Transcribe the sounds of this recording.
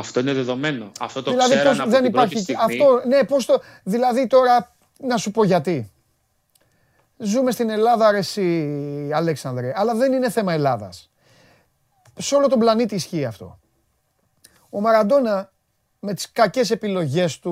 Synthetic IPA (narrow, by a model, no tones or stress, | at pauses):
ɐft̪oineðeðo̞meno̰ɐ̰ft̪ot̪ðilɐðiposðe̞nipaɾçiɐft̪o̞ne̞po̞st̪o | ðilɐðit̪o̞ɾɐ | nɐsupo̞ʝɐt̪i | zume̞st̪ine̞lɐðɐɾesiɐleksɐnd̪ɾiɐlɐðe̞nine̞θe̞mɐe̞lɐðɐ̰s | seo̞lo̞t̪o̞blɐnit̪iːsçiːɐft̪o̞̰ | o̞mɐɾɐd̪o̞nɐ | me̞t̪i̥skɐce̞se̞pilo̞ʝe̞st̪u